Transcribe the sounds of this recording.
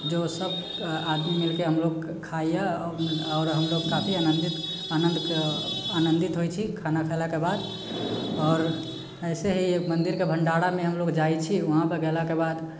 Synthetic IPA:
d͡ʒosəb̚ | ad̪mimilkeɦəmloɡ | kʰaijeɔːɾɦəmloɡkapʰianənd̪it̪ | anənd̪ʱkanənd̪it̪ɦot͡ʃʰikʰanakʰalakebad̪ | ɔːɾ | ɛɪseɦimənd̪iɾkebʱəɳɖaɽamẽɦəmloɡd͡ʒajt͡ʃʰiuɦãpəɡelakebad̪

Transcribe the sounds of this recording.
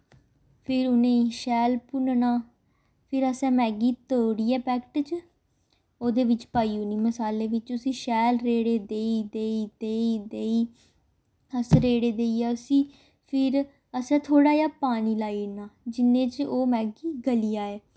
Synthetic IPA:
pʰɪɾʊnẽːʃɛːlpʊnnaː | pʰɪɾəsɛ̃ːmɛːɡiːt̪oːɽiːɛːpɛːkʈt͡ʃ | oːd̪eːʋɪt͡ʃpaːiːʊniːməsaːleːʋɪt͡ʃʊsĩːʃɛːlɾeːɽeːd̪eːid̪eːiːd̪eːid̪eːiː | əsɾeːɽeːd̪eːiːɛːʊsĩː | pʰɪɾ | əsɛ̃ːt̪ʰoːɽaːjaːpaːniːlaːiːnaːd͡ʒɪnẽːt͡ʃoːmɛːɡiːɡəlijaːeː

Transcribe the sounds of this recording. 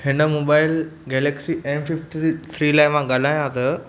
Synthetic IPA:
hɪnəmoːbaːɪlɡeːleksiʔemfifʈit̪ʰɾiːlajʋãɡɐl̤aːjãt̪ə

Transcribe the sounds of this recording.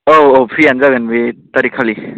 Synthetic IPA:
oopʰɾianzaɡanbet̪aɾikʰali

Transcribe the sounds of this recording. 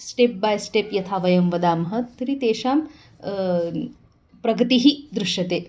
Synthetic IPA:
sʈep̚bajsʈepjɐt̪ʰaːʋɐjɐmʋɐd̪aːmɐɦɐt̪ːɐɾit̪eːʃaːm | pɾɐɡɐt̪iɦid̪ɾuʃjɐt̪eː

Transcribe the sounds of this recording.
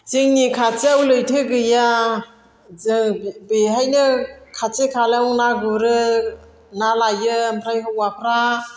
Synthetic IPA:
ziŋnikʰat͡ʃeawlɯjtʰɯɡɯja | beɦajnɯkʰat͡ʃekʰaleunaɡuɾɯ | nalajɯmpʰɾajɦɯwapʰɾa

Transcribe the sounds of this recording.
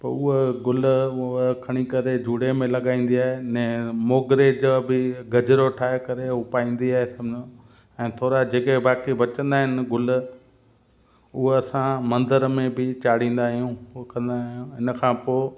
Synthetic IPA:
pɐʊɦeɡʊl | kʰɐɽ̃ikɐɾed͡ʑʱuːɽemẽlɐɠaːĩːn̆d̪iaːɦenɛ̃ːmoːɡɾed͡ʑobɪɡɐd͡ʑɾoʈʰaːɦekɐɾeʊpaːĩːn̆d̪iaːɦesɐmd͡ʑõ | ɛ̃ːt̪ʰoːɾad͡ʑeːkebaːkibɐt͡ɕə̃nd̪aːɦɪnɪɡʊl | ʊɦeɐsãmɐ̃nd̪əɾmẽbɪt͡ɕaːɽ̤ĩːn̆d̪aːɦijũkɐ̃nd̪aːɦijũɪnkʰãːpoː

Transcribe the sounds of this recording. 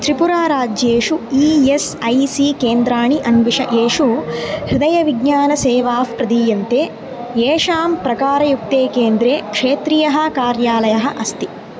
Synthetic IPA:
t̪ɾipuɾaːɾaːd͡ʒjeːʂuiːesɐjsiːkeːnd̪ɾaːɳiʔɐnʋiʂɐʔeːʂuhɾid̪ɐjɐʋiɡɲaːnɐseːʋaːfpɾɐd̪iːjɐnt̪eː | jeːʂaːmpɾɐkaːɾɐjuk̚t̪eːkeːnd̪ɾeːkʂeːt̪ɾijɐɦɐ̆kaːɾjaːlɐjɐɦɐʔɐst̪i

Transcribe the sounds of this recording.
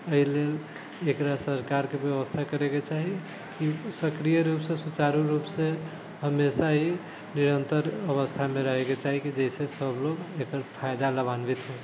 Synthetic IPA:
əɦilel | ekɾasəɾkaɾkebjəʋəst̪ʰakəɾeket͡ʃaɦi | kisəkɾijəɾupsẽsut͡ʃaɾuɾupsẽ | ɦəmesaɦi | niɾənt̪əɾəβəst̪ʰameɾəɦeket͡ʃaɦikid͡ʒəisesəbloɡekəɾpʰajd̪aləbanbit̪ɦos

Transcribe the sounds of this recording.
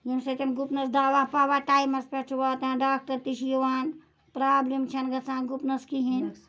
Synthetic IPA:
jimsɐt̪ɐnɡupnɐsd̪aːʋaːpaːʋaːʈaːjmɐspʲɐt͡ʃʰuʋaːt̪ãnɖaːk̚ʈɐɾt̪iʃjuʋaːn | pɾaːblimt͡ʃʰɐnɡɐsʰãːnɡupnɐskiɦin

